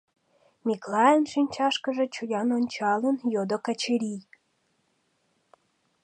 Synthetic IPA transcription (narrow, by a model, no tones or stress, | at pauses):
mʲiklɑjənʃinʲt͡ɕɑʃkə̆ʒĕt͡ɕujʲɑnonʲt͡ɕɑlə̆njod̪okɑt͡ɕeɾʲij